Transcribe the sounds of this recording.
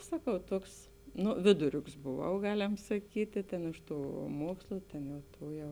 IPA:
ˈsɑːˌkɐʊ ˈtuɔks ˈnʊ ˈʋʲɪdʊˌrʲʊks boːˌʋɐʊ ˈɡɑːˌlʲɛm sɐˈkʲiːtʲeː tʲeːn ˈɪʃ ˌtuː ˈmuɔkslˠʊ ˈtʲeːn jɛʊ ˈtuː jɛʊ

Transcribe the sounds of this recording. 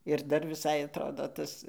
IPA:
ɪr ˈdɐr ʋʲɪˈsɐɪ ɐtˈroːdoː ˈtɐs

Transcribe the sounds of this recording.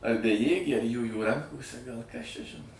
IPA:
ɐr bʲɛˈjeːɡʲeː ɐr ˈjuːjuː ˈrɐŋkoːsʲɛ ɡɐlˠ kɐs t͡ʃʲɛ ˈʒʲɪnoː

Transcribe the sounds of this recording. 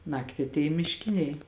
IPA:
ˈnɑːktʲɪ ɐtʲˈeːjɛ mʲɪʃʲˈkʲɪnʲɛɪ

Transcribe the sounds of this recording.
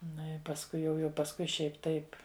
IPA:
ˈnʊ ɪ pɐsˈkʊɪ jɛʊ jɛʊ pɐsˈkʊɪ ˈʃʲɛɪpʲ ˈtɐɪp

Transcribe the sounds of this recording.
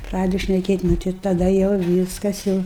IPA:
ˈprɑːdʲɛdʊ ʃʲnʲɛˈkʲeːtʲ ˈnʊ tɐɪ tɐˈdɐ jɛʊ ˈʋʲiːskɐs jɛʊ

